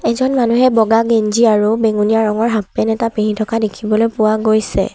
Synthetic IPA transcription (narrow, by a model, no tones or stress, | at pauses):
ɛzɔnmanuɦɛbɔɡaɡenziaɹubeŋunijaɹɔŋɔɹɦapːɛnɛtapiɦitʰɔkadekʰibɔlojpʊwaɡojsɛ̰